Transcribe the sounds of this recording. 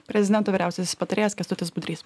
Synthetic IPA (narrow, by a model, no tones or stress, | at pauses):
pʲɾʲɛzʲɪd̪ʲɛnt̪oːʋiːɾʲæˑʊsʲesʲspɐt̪ɐɾʲeːɛskʲɐst̪ʊt̪ʲɪsbʊd̪ɾʲiːs